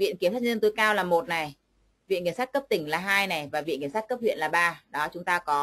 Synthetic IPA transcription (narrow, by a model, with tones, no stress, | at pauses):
vḭ˧ə˨nki˧əsaː˦˥ɲ˧nt̪o˨˦jkaː˧wlaː˨˩mo˨˩t̚na˨˩j | vḭ˧˨nki˧˩sa˦˥t̚kə˦˥p̚t̪ï˧˩ŋ̟laː˨˩ɦaː˧jna˨˩jvaː˨˩vḭ˧˨nkːsa˦˥t̚kə˦˥p̚hwḭ˧˨ənlaː˨˩ɓaː˧ɗɔ˨˦t͡ɕʊ˨˦ŋ͡mt̪aː˧kɔ˨˦